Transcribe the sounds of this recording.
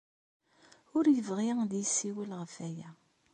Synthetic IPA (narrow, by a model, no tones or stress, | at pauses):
ʊɾjəvʁid̪jəsːiwəlʁəfæjæ